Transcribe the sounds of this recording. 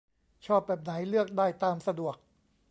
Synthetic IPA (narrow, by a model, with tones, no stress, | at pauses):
t͡ɕʰɔː˥˩p̚bɛː˨˩p̚na˩˦jlɯ˥˩ək̚daː˥˩jt̪aː˧msa˧du˨˩ək̚